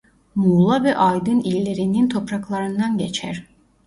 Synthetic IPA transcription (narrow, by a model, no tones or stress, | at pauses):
mulˠavɛʔajd̪ɯnilʲːe̞ɾinint̪ʰo̞pɾaklˠaɾɯnd̪anɟet͡ʃʰæ̰ɾ̥